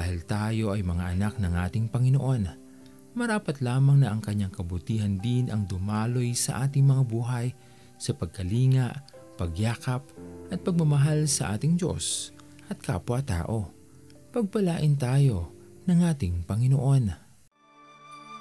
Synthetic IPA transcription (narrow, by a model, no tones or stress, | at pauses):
d̪aːhɪlt̪aːjo̞ʔɐjmɐŋaʔɐnak̚nɐŋʔaːt̪ɪŋpɐŋɪnoʔo̞n | mɐɾaːpɐt̪laːmɐŋnɐʔɐŋkɐɲːaŋkɐbʊt̪iːhɐnd̪ɪnʔɐŋd̪ʊmaːlo̞jsɐʔaːt̪ɪŋmɐŋabuːɦɐj | sɐpɐɡ̚kɐliːŋɐʔpɐɡjaːkɐpʔɐt̪̚pɐɡ̚mɐmɐɦalsɐʔaːt̪ɪŋd͡ʒo̞̰s | ʔɐt̪̚ka̰ːpwɐt̪a̰ːʔo̞ | pɐɡ̚pɐlaːʔɪnt̪aːjo̞nɐŋʔaːt̪ɪŋpɐŋɪnoʔo̞n